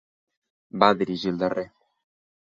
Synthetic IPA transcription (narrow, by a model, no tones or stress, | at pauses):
baðiɾiʒild̪arʔe